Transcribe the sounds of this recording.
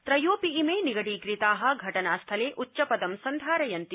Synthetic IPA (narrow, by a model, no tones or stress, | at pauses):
t̪ɾɐjoːpiːmeːniɡɐɽiːkɾit̪aːɦɐ̆ɡʱɐʈɐnaːst̪ʰɐleːʔʔutːʃɐpɐd̪ɐmsɐnd̪ʱaːɾɐjɐnt̪i